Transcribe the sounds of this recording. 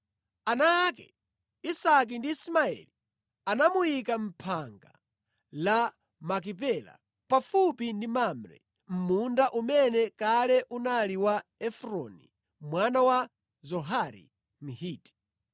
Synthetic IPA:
anakɛ | isak̬indiːsmaɛ̰li | anamujikam̩pʰaŋɡa̰ | la | mak̬ip̬ɛla̰ | pafupindimamɾɛ̰ | m̩mundaʔumɛnɛkalɛʔunaliwaɛfɾɔ̰nḭ | mwanawa | zɔɦaɾḭ | m̩hiːti̥

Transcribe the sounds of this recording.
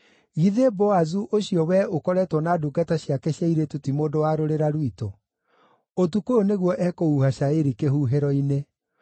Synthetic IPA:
ɣiðebɔazuʔoɕiɔwɛokɔɾɛtwɔnaːduɡataɕjakɛɕjaiɾetotimoːdowaɾoɾeɾaɾwitɔ | ot̬ukooneɣwɔʔɛkouhaʃaeɾikeɦuɦeɾɔine

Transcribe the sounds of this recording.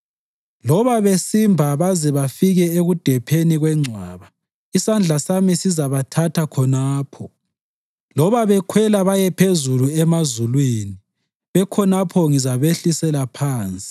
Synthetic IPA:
lɔβaβesimbʱaβazɛβafiɣɛeɣud̥ʱɛpʰeniɣwɛŋ͡ǀʱaːβa | isand͡ɮʱasamisizaβatʰatʰakʰɔnaːpʰɔ | lɔβaβɛkʰwɛlaβajɛpʰezuluɛmazulwini | βɛkʰɔnapʰɔŋizaβeɬisɛlapʰaːnt͡sʼi̥

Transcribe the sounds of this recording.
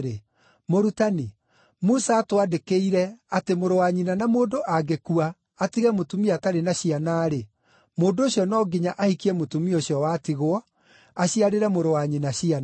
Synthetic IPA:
ɾe | moɾutani | musaːtwadekeiɾɛatemoɾowaɲinanamoːdoʔaɡekuaː | tiɣɛmotumiataɾenaɕianaːɾe | moːndoːɕjɔnɔːɡiɲaʔahikiɛmotumioɕjɔwatiɣoɔ | aɕiaɾeɾɛmoɾowaɲinaɕian

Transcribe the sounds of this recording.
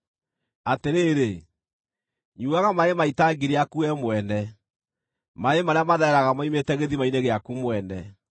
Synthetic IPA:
ateɾeːɾe | ɲuaɣamaemaitaɡiɾeakuɛmwɛnɛ | maemaɾeamaðɛɛɾaɣamaimetɛɣeðimaineɣeakumwɛnɛ

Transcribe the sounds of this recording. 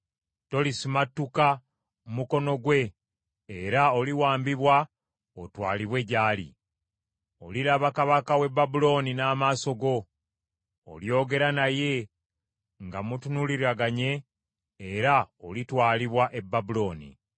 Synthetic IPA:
to̞lisimatːuka | mumuko̞no̞ɡwe̞ː | ɾao̞liwaːmbiβwa | otwa̰ːliβwe̞ɟaːlḭ | oliɾaβakaβakawe̞bːabulo̞ːninaːmaːso̞ɡo̞ | ljo̞ːɡe̞ɾanaje̞ | ŋɡamutunuliɾaɡaɲe̞ː | ɾaolitwaːliβwaʔe̞bːabulo̞ːnḭ

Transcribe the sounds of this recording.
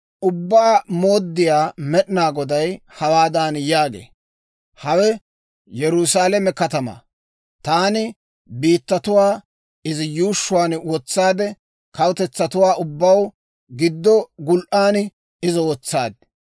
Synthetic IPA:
ʔʊbːaːmoːd̪ːɪjaːmɛɗɪnaːɡɔd̪ɐjhɐwaːd̪aːnjaːɡḛː | hɐwɛ | jɛɾʊsaːlɛmɛkɐt̪ɐmɐ̰ | t̪aːnɪ | biːt̪ːɐt̪ʊwaː | ɪzɪjuːʃːʊwaːnwɔt͡sːaːd̪ɛ | kɐwt̪ɛt͡sːɐt̪ʊwaːʔʊbːɐw | ɡɪd̪ːɔɡʊlʔaːn | ɪzɔwɔt͡sːa̰ːd̪̚

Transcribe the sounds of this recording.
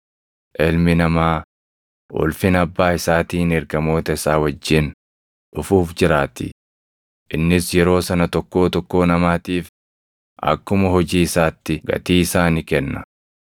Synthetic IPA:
ʔɛlmɪnɐmaː | wʔɔ̰lfɪnɐbːaːɪsaːt̪iːnɛɾɡɐmo̞ːt̪ɐɪsaːwɐd͡ʒːɪn | ᶑʊfuːfd͡ʒɪɾaːt̪ɪ̰ | ʔɪnːɪsjɛɾo̞ːsɐnɐt̪ɔkːo̞ːt̪ɔkːo̞ːnɐmaːt̪iːf | ʔɐ̰kːʊmɐɦɔd͡ʒiːɪsaːt̪ːɪɡɐ̰t̪iːɪsaːnɪkɛnːɐ

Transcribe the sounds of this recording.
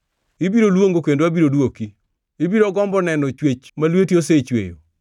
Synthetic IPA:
ibiɾolwoŋɡokendoabiɾodwoki | ibiɾoɡɔmbɔnɛnɔt͡ʃwet͡ʃmalwetioset͡ʃwḛjo̰

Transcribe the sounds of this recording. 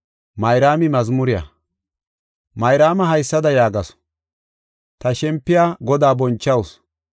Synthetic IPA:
mɐjɾaːmɪmɐzmʊɾɪjɐ̰ | mɐjɾaːmɐɦɐjsːɐd̪ɐjaːɡɐs | t̪ɐʃɛmpːɪjaːɡɔd̪aːbɔnt͡ʃːɐws

